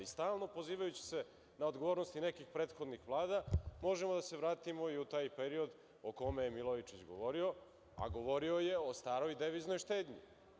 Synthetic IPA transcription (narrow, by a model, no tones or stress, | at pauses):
ist̪aːlˠno̞po̞ziːʋajut͡ɕi̥se̞ | naod̪ɡo̞ʋo̞ːɾnost̪inekixpɾet̪xo̞d̪nixʋlˠaːd̪amo̞ʒemod̪ase̞ʋɾaːt̪imo̞iut̪aːjpeɾio̞d̪ | oko̞mejemilˠoit͡ʃit͡ɕɡo̞̰ʋo̞ɾio̞ | a̰ɡo̞ʋo̞ɾio̞je̞o̞st̪aːɾo̞jd̪eʋiznojʃt̪eːd̪ɲḭ